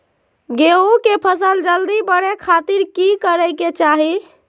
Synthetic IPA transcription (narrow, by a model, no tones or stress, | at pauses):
ɡeokepʰəsəld͡ʒəld̪ibəɽekʰat̪iɾkikəɾəɪket͡ʃaɦi